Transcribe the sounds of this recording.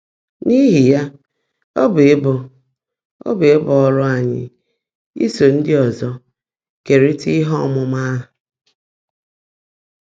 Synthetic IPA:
ni˦ɦi˨ja˦ | o˦be˨e˦bʊ˨ | o̰˦be˨e˦bɔ˨ɔ˦ɾʊ˦a˨ɲɪ̰˦ | ḭ˦so˨n̩˦dɪ˦ɔ˨zɔ˦ | ke˨ɾi˦ti˦ɦɔ˦˨mʊ˨ma˦ɦ

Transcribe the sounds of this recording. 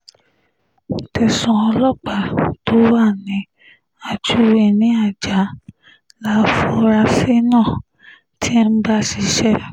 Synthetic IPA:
tɛ˨sɔ̃˧˨ɔ˧lɔ˦˨k͡pa˨˦to˦wa˦˨nĩ˨˦ | a˨d͡ʒu˨˦e˨˧˨nĩ˨˦a˦˨d͡ʒa˨˦ | la˨˦fu˧ɾa˧se˦nãː˦˨ | tʰi˦˧n̩˦ɡ͡ba˦si˨˧ʃɛ˦˨

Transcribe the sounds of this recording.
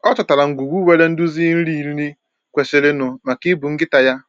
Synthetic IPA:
ɔ˦t͡ʃɔ˨ta˨ɾa˨ŋ̩˨ɡʷu˨ɡʷu˦we˦le˦n̩˦du˦zi˦n̩˦ɾi˦˨ɾi˦ɾi˦ | kʷe˨se˦le˦nʊ˨ma˨ki˦bu˨ŋ̩˦ɡɪ˦ta˨ja˦

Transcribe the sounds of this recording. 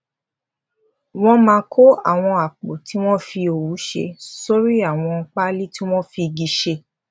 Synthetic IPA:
w̃ɔ̃˦mãː˧kʰo˦a̰˦˨w̃ɔ̃˧a˨k͡po˨ti˨˦w̃ɔ̃˦fi˧o˨wu˨˦ʃḛ˧so˦ɾi˦a˦˨w̃ɔ̃˧k͡pa˦li˦ti˦w̃ɔ̃˦fi˧ɡi˧ʃe˧

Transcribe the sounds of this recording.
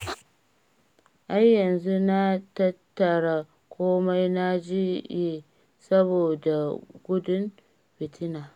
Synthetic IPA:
ʔa˦jːɐ˨nzu˦na˦tɐ˦tːɐ˨ɽa˨ | kʷoː˦ma˦jna˦d͡ʒi˦ji˦ | sɐ˦boː˨da˨ɡʷʊ˦dʊ˦m | ɸɪ˨tʰɪ˦naː˨

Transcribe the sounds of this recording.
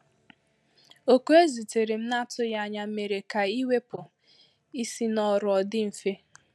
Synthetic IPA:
o˨ku˦e˦zi˨te˨ɾe˨m̩˦na˦tʊ˦ja˦˨ɲa˨˦me˨ɾe˨ka˨i˦we˦pʊ˨ | i˦si˦nɔ˦ɾʊ˨ɔ˨dɪ˦m̩˨fe˦

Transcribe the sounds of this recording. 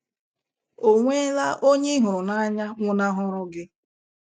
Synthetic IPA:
o˨ŋʷe˦la˦ʔo˦ɲe˦ɦʊ˨ɾʊ˨na˦a˦ɲa˦ŋʷʊ˦na˦ɦʊ˦ɾʊ˦ɡɪ˦

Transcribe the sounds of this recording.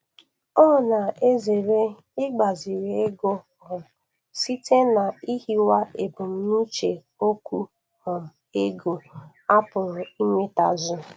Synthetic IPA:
ɔ˦˨na˨e˦ze˨ɾe˦ | ɪ˦ɡ͡ba˨zi˨ɾe˨˦e˦ɡo˦ɦɔ˨m̩˨ | si˦te˦na˨i˦hi˦wa˦e˨bʊ˨m̩˦ni˦t͡ʃe˨ | o˦kʷu˦ | hɔ˨m̩˨ | e˦ɡo˨ | a˦pʊ˨ɾʊ˨i˦me˦ta˨zʊ˦

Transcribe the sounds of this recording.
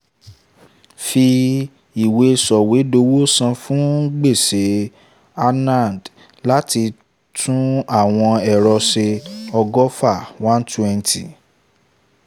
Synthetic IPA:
fi˧ | i˨we˨˧sɔ˨we˨˦do˧˦wo˦sã˧fũ˦ɡ͡be˦˨se˨˦ | a˧nã˦˨d | la˦ti˧ | tʰũ˦a˦˨w̃ɔ̃˧ɛ˨ɾɔ˧ʃe˧ɔ˧ɡɔ˦fa˦˨wã˦n˦twɛ̃˧ntʰi˨

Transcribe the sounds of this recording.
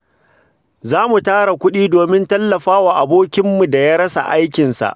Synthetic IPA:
zaː˦mu˨taː˦ɽa˨kʷʊ˦ɗiː˦doː˨mɪ˦ntɐ˦lːɐ˨ɸaː˦waː˨ʔa˨boː˦kʲɪ˦mːu˨da˨jaː˦ɽɐ˦sa̰˨ʔa˦jkʲɪ˨nsa̰˨ʔ

